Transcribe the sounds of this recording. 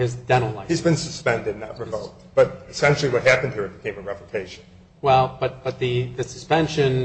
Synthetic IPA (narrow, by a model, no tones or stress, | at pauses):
ɪzdɛ̃ñl̩ˠlaɪhizbɨ̃nsɨspɛ̃ndɨ̃n̩ðə̰t̚ɹɨzʌlˠt̚b̥ʌt̚ɨsɛ̃nʃl̩ˠiwʌt̚ɦæpnd̚hiɹɨt̚b̥ɨkʰẽɪ̃mɨɹɛpɨtʰeɪʃɨ̃n̩ | wɛlˠb̥ʌt̚b̥ʌt̪̚ðɨðɨsɨ̥spɛ̃nʃɨ̃n